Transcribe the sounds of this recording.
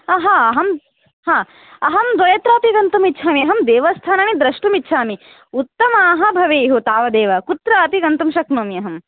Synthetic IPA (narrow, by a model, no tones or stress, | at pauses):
ɐɦaːɐɦɐm | haː | ɐɦɐmd̪ʋɐjɐt̪ɾaːp̪iɡɐnt̪umitːt͡ʃʰaːmiɐɦɐmd̪eːʋɐst̪ʰaːnaːnid̪ɾɐʂʈumitːʃʰaːmi | ut̪ːɐmaːɦɐ̆bʱɐʋeːjɦut̪aːʋɐd̪eːʋɐkut̪ɾɐɐp̪iɡɐnt̪umʃɐknɐːmiɐɦɐm